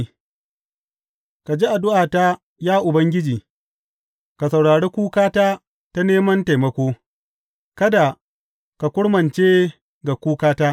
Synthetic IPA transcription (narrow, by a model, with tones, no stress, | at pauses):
ka˨d͡ʒi˦ʔa˨dʊ˦ʔaː˨ta˦ | jaː˦ʔʊ˨bɐ˦ŋɡʲɪ˦d͡ʒiː˨ | ka˨sɐ˨wɽaː˨ɽeː˦kʷuː˦kaː˦taː˦ | ta˦neː˦mɐ˦nta˨jmɐ˦kʷoː˦ | kɐ˦da˨ | ka˨kʷʊ˦ɽmɐ˨nt͡ʃeː˦ | ɡa˨kʷuː˦kaː˦taː˦